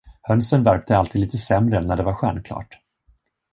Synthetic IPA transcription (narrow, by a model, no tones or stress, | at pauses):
hœnsənvæɾp̚t̪əalt̪ʰiːd̪liːt̪əsɛmɾənæɖɛvaɾɧæɳkʰlɑ̰ːʈ